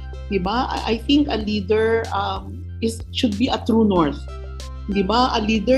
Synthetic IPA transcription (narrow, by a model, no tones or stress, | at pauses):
d̪ɪbaʔa̰ʔa̰jθɪ̃ŋkɐlid̪ɛɹam | ɪs | ʃʊd̪̚biʔɐt̪ɾunɔɹθ | d̪ɪbaʔɐlid̪ɛ